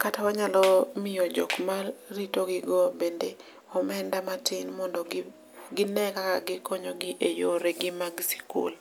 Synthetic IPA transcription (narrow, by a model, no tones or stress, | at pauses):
katawaɲalɔmɪjod͡ʒɔ̰kmalɾitoɡɪɡɔbende | ɔmɛndamatɪnmɔndɔ | ɡɪnɛkakaɡɪkɔɲoɡɪʔejoɾeɡɪmaɡsi̥kṵl